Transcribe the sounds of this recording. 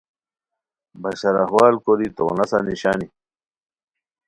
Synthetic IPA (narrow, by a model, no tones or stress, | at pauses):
bɐɕɐɾɐɦwaːlkoɾit̪o̰nɐsaniɕaːni